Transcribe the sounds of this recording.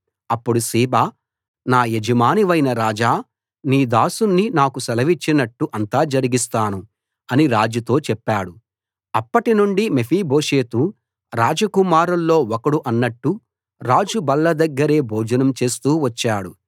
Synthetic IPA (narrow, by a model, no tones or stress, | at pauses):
ɐpːuɽusiːbaː | naːjed͡ʒɐmaːniʋɐjnɐɾaːd͡ʒaː | niːd̪aːsunːinaːkusɐlɐʋit͡ʃːinɐʈːuʔɐnt̪aːd͡ʒɐɾiɡist̪aːnu | ɐniɾaːd͡ʒut̪o̞ːt͡ʃɛpːaːɽu | ɐpːɐʈinuɳɖimepʰiːbʱo̞ːʂe̞ːt̪u | ɾaːd͡ʒɐkumaːɾɐllo̞ːɔkɐɽuʔɐnːɐʈːu | ɾaːd͡ʒubɐlːɐd̪ɐɡːɐɾe̞ːbʱɔːd͡ʒɐnɐmt͡ʃe̞ːst̪uːʋɐt͡ʃːaːɽu